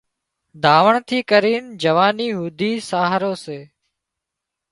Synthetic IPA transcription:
d̪ʱaːʋəɳt̪ʰiːkəɾiːnd͡ʒəʋaːniːɦuːd̪ʱiːsaːɦɾoːseː

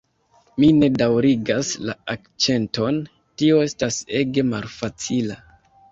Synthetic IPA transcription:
mine̞dawɾiɡasla̰ak̚t͡ʃe̞nto̞n | tio̞e̞stase̞ɡe̞malfat͡sila

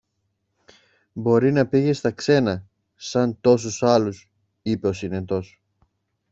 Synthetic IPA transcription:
bo̞ɾinɐpiʝe̞st̪ɐkse̞nɐ | sɐnt̪o̞s̬usɐlus | ipe̞o̞sine̞t̪o̞s

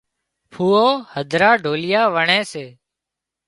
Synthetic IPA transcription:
pʰuːoːhəd̪ʱɾaːɖʱoːlɪjaːʋəɳẽːseː

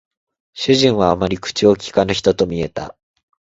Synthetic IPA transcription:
ɕɨʑĩɰ̃βaːmaɾʲikɯ̟̥t͡ɕiokʲi̥kanaçi̥t̪o̞t̪o̞mʲie̞t̪a̰

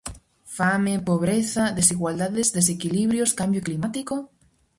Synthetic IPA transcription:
famepoβ̞ɾeθaðesiɣwald̪aðezðes̬ekiliβ̞ɾjoskambjoklimat̪iko

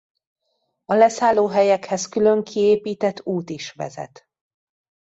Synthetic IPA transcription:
ɒlɛsaːlːoːɦɛjɛkhɛskylø̞ŋkʰieːpiːt̪ɛt̪ːuːt̪iʃʋɛ̰zɛ̰t̪

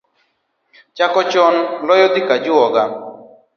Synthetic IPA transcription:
t͡ʃakɔt͡ʃɔnlɔjɔd̪ɪkad͡ʒʊɔɡa

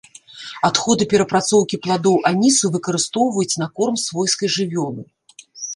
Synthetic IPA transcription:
at̪xɔd̪ɨpʲɛɾɐpɾat̪sɔwkʲiplˠad̪ɔwʔanʲisuvɨkɐɾɨst̪ɔwvɐjut͡sʲnɐkɔrmsvɔjskɐjʐɨvʲɔnˠɨ

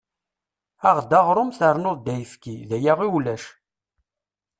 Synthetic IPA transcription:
aʁd̪ɑʁɾˤomθəɾˤnʊðˤd̪æjəfkiðæjaʁiwlæʃ

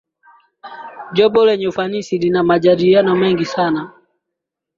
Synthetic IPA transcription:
ʄɔɓɔlɛɲɛufanisilinamaʄaɗilianɔmɛŋɡisana

